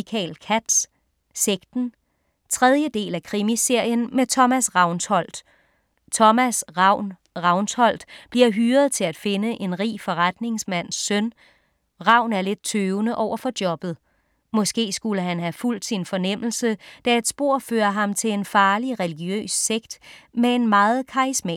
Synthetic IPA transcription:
kʰɛ̰ːlkʰæd̥s | seɡ̥d̥n̩ | t͡sʰʁɛð̞ˠjəd̥e̝̰ːlækʰʁimise̝ɐ̰jənmet͡sʰɒ̽mæsʁɑ̈ʊnshɒ̽l̰d̥ | t͡sʰɒ̽mæsʁɑʊ̰n | ʁɑ̈ʊnshɒ̽l̰d̥b̥liɐɦyːɐð̞ˠt͡sʰe̝læd̥fe̝nəʔe̝nʁḭːfɒ̽ʁad̥ne̝ŋsmæn̰sːœn | ʁɑ̈ʊ̰næɐle̝d̥̚t͡sʰøːʊnəʔɒʊ̰ɐfɒ̽d̥jɒ̽b̥ð̞̩ˠ | mɒ̽sɡ̥e̝̰ːsɡ̥uləɦænɦæful̰d̥sinfɒ̽nem̰l̩səd̥æe̝d̥sb̥o̝ɐ̰føːɐɦɑ̈mt͡sʰe̝le̝nfɑ̈ːliʁɛliɡ̥jø̰ːsːeɡ̥d̥mee̝nmɑ̈ːð̞̩ˠkʰɑ̈ismɛ̰ː

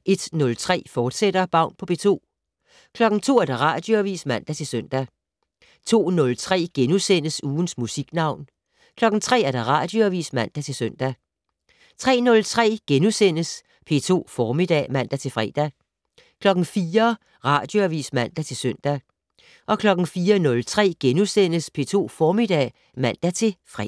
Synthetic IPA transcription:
ʔe̝d̥nɔ̽lt͡sʰʁɛ̰ːfɒːd̥sed̥ɐb̥ɑ̈ʊ̰npʰɒ̽b̥e̝̰t͡sʰo̝̰ː | kʰlɒ̽ɡ̥n̩t͡sʰo̝̰ːæɐd̥ɑ̈ʁɑ̈d̥jo̝æʋḭːsmæn̰d̥æt͡sʰe̝lsœn̰d̥æ | t͡sʰo̝̰ːnɔ̽lt͡sʰʁɛ̰ːɡ̥enusen̰əsuːn̩smusiɡ̥nɑ̈ʊ̰n | kʰlɒ̽ɡ̥̩t͡sʰʁɛ̰ːæɐd̥ʁɑ̈ːd̥jo̝æʋḭːsmæn̰d̥æt͡sʰe̝lsøn̰d̥æ | t͡sʰʁɛ̰ːnɔ̽lt͡sʰʁɛ̰ːɡ̥enusen̰əs | pʰe̝̰t͡sʰo̝̰ːfɒːmid̥ɛ̰ːmæn̰d̥æt͡sʰe̝lfʁɛ̰ːd̥æ | kʰlɒ̽ɡ̥n̩fiːɐ | ʁɑ̈ːd̥joæʋḭːsmæn̰d̥æt͡sʰe̝lsœn̰d̥æ | ʔɒ̽kʰlɒ̽ɡ̥n̩fiːɐnɔ̽lt͡sʰʁɛ̰ːɡ̥enusen̰əspʰe̝̰ːt͡sʰo̝̰ːfɒːmid̥ɛ̰ː | mæn̰d̥æt͡sʰe̝lfʁɛ̰

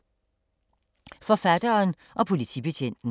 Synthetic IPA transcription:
fɒ̽fæd̥ɐːn | ʔɒ̽pʰo̝lit͡sʰḭb̥e̝t͡ɕʰen̰d̥n̩

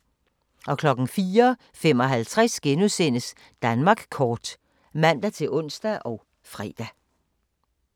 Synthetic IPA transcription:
ʔɒ̽kʰlɒ̽ɡ̥n̩fiːɐ | fem̰ɒ̽ɦælt͡sʰʁasɡ̥enuðˠsen̰əs | d̥ænmɑ̈ːɡ̥kʰɒːd̥ | mæn̰d̥æt͡sʰe̝lʔɔ̽n̰sd̥æʔɒ̽ʊ | fʁɛ̰ːd̥æ

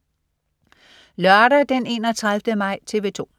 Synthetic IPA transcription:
lɶɐɾɐd̥ene̝ːnɒt͡sʰʁäðˠʋd̥əmɑ̈ɪ̰t͡sʰe̝ːʋe̝ːt͡sʰo̝̰ː

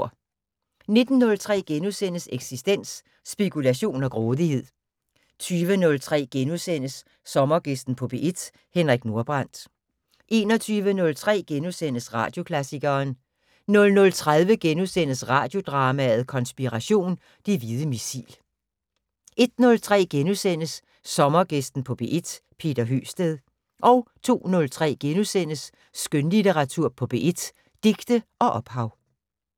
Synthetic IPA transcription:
ne̝d̥n̩ːɔ̽lt͡sʰʁɛ̰ːɡ̥enusen̰əseɡ̥sisd̥en̰sː | b̥e̝kʰulæɕo̝̰ːnɒ̽ɡ̥ʁɔːðˠihe̝ð̞̰ˠ | t͡sʰyːʋənɔ̽lt͡sʰʁɛ̰ːɡ̥enusen̰əsː | ɒ̽mɐɡ̥e̝sd̥n̩pʰɔ̽b̥eʔed̥ | henʁaɡ̥no̝ɐb̥ʁɑn̰d̥ | ʔe̝ːnɒ̽t͡sʰyːʋənɔ̽lt͡sʰʁɛ̰ːɡ̥enusen̰əsʁɑ̈ːd̥jo̝kʰlæsiɡ̥ɐːn | nɔ̽lnɔ̽lt͡sʰʁað̞ˠʋəɡ̥enusenəsʁɑ̰̈ːd̥jo̝d̥ʁɑ̈ːmæð̞̩ˠkʰɒ̽nsb̥iʁɑɕo̝̰ːn | d̥e̝ʋið̞ˠəmisḭːl | ʔe̝d̥nɔ̽lt͡sʰʁɛ̰ːɡ̥enusen̰əsː | ɒ̽mɐɡ̥esd̥n̩pʰɒ̽b̥e̝ʔed̥pʰe̝̰ːd̥ɐɦy̰ːsd̥eðˠ | ʔɒ̽ʊt͡sʰo̝̰ːnɔ̽lt͡sʰʁɛ̰ːɡ̥enusen̰əsː | ɡ̥ønlit͡sʰeʁɑ̈t͡sʰuɐ̰pʰɒ̽b̥e̝ʔed̥ | d̥eɡ̥d̥əʔɒ̽ʔɒ̽b̥hɑ̈ʊ

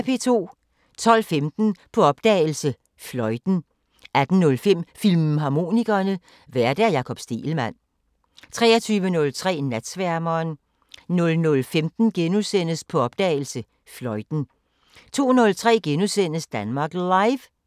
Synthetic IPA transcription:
pʰe̝̰ːt͡sʰo̝̰ː | t͡sʰɒ̽l̰femd̥n̩pʰɒ̽ɒ̽b̥̚d̥ɛ̰ːl̩sə | flɒ̽ɪd̥n̩ | æd̥n̩nɔ̽lfem̰filmɦɑ̈mo̝̰ːniɡ̥ɐnə | ʋæɐd̥æɐjɑ̈kʰɒ̽b̥sd̥e̝̰ːl̩mæn̰ | t͡sʰʁɛ̰ːɐt͡sʰyːʋənɔ̽lt͡sʰʁɛ̰ːnæd̥sʋæɐmɐːn | nɔ̽lnɔ̽lfemd̥n̩ɡ̥enusen̰əspʰɒ̽ɒ̽b̥d̥ɛ̰ːɪl̩sə | flɒ̽ɪd̥n̩ | t͡sʰo̝̰ːnɔ̽lt͡sʰʁɛ̰ːɡ̥enusen̰əsd̥ænmɑ̈ːɡ̥lɑ̈ɪʋ

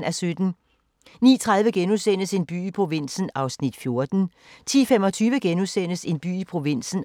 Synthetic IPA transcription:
næsød̥n̩ | nḭːt͡sʰʁaðˠʋəɡ̥enusen̰əse̝nb̥y̰ːipʰʁo̝ʋin̰sn̩ɑ̈ʊsnid̥fjo̝ɐd̥n̩ | t͡sʰḭːfemɒ̽t͡sʰyːʋəɡ̥enusen̰əse̝nb̥y̰ːipʰʁo̝ʋin̰sn̩

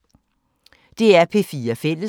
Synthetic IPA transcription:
d̥e̝æɐpʰe̝fiːɐfel̰ə

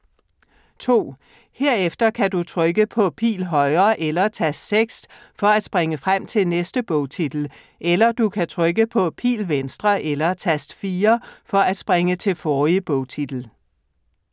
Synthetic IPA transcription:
t͡sʰo̝̰ː | he̝ɐ̰efd̥ɐkʰæd̥ut͡sʰʁœɡ̥əpʰɒ̽pʰḭːlɦɒ̽ɪɐːʔelɐt͡sʰæsseɡ̥s | fɒ̽æd̥sb̥ʁeŋəfʁam̰t͡sʰe̝lnesd̥əb̥ɔʊt͡sʰid̥l̩ | ʔelɐd̥ukʰæt͡sʰʁœɡəpʰɒ̽pʰḭːlʋensd̥ʁɐʔelɐt͡sʰæsd̥fiːɐfɒ̽ʔæd̥sb̥ʁeŋət͡sʰe̝lfɒːib̥ɔʊt͡sʰid̥l̩

